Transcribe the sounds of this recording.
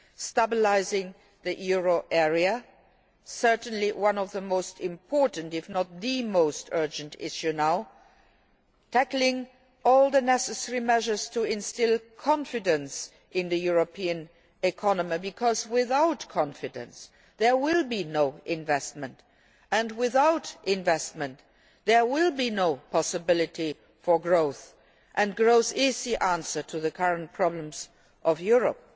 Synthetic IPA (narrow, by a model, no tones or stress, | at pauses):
stabɪlaɪzɪ̃ŋ | ðijuɹoʔɛɹiə | sɜ˞tn̩liwʌ̃nɔvðəmoʊstɪ̃mpʰɔɹʔn̩tɪfnət̪̚ðɨmoʊstʰɜ˞d͡ʒɨ̃ntʰɪ̰ʃjunaʊ | tʰæklɪ̃ŋ | ɔlˠðənɛsəsɛɹimɛʒə˞z̥tʰuɪ̃nstɪlˠkʰɑ̃nfɪdə̃ns | ɪ̃nðɨjuɹopʰiɨ̃n | ɪkʰɑnəmibɨkʰɔzwɪθaʊtkʰɑ̃nfɪdə̰̃ns | ðɛ˞wɪlˠbinoʊʔɪ̃ɱvɛst̚mə̃nt | ɨ̃ndwɪθaʊtʔɪ̃ɱvɛst̚mə̃nt | ðɛ˞wɪlˠbinoʊpʰɔsɨbɪlɨti | fɔ˞ɡɹoʊθ | ʔɨ̃nɡɹoʊθɪzðiʔæ̃nsə˞tʰuðəkʰʌɹə̃nt̚pʰɹ̥ɑblə̃mz | ʔʌvjuɹə̰p̚